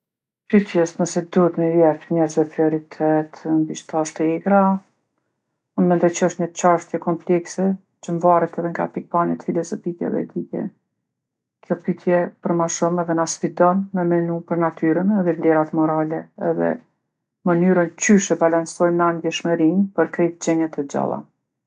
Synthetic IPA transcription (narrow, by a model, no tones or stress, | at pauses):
pyt̪jɛst̪nəsɛd̪uət̪məjɛfɲɛɾzvɛpɾiɔɾit̪ʰɛt̪mbiʃt̪aʃt̪ɛɡɾa | unmɛnd̪ɔjt͡ʃəɔʃt̪ɲət͡ʃaʃt̪jɛkɔmplɛksɛ | t͡ʃəɱvaɾɛt̪ɛðɛŋɡa̰pik̚panɛt̪filɔzɔfikɛ̰ɛ̰ðɛ̰d̪ikɛ̰ | kjɔpyt̪ʰjɛpəɾmaʃumɛðɛnasfid̪ɔnmɛmɛnupəɾnat̪ʰyɾənɛðɛvlɛɾat̪mɔɾalɛɛ̰ðɛ̰ | mənyɾəncyʃɛbalansɔjmnand̪jɛʃməɾinpəɾkɾɛt̪d͡ʑɛɲɛt̪ʰɛd͡ʑa̰lˠa̰